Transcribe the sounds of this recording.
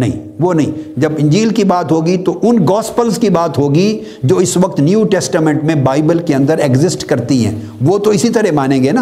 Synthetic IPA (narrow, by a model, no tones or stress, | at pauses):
nɐɦḭ̃ː | ʋonɐɦḭ̃d͡ʒɐbɪ̃ɲd͡ʒiːlkibaːt̪ɦoːɡit̪oʔʊnɡɔːspəlzkibaːt̪ɦoːɡi | d͡ʒoːɪsʋɐk̚t̪njuːʈɛːsʈaːmɛ̃ɳʈmẽbaːɪbəlkeɐ̃nd̪əɾekzɪsʈkɐɾt̪iɦɛ̰̃ː | ʋot̪oɪsit̪ɐɾɛmaːnẽɡeːna